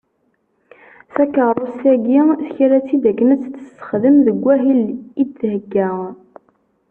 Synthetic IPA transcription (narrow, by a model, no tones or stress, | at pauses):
θækərˤosæɡiθçɾæt͡sːid̪ækːənæt͡sːθə̥ssə̥χðəmðəɡʷːæɦilid̪ːhəɡːæ